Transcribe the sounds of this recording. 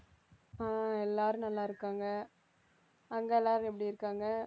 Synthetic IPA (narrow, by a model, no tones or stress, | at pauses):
aːɛlːaːɾɯ̃nɐlːaːɪɾɯkːaːŋɡɐ | ɐŋɡɐɛlːaːɾɯ̃ɛpːɐɽiɪɾɯkːaːŋɡɐ